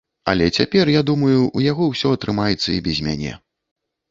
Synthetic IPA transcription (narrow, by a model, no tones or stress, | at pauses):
ɐ̰lʲɛt͡sʲapʲɛrjad̪umɐjuʔujaɣɔwsʲɔɐt̪ɾɨmajɛt̪sːɐibʲɛzʲmʲa̰nʲɛ̰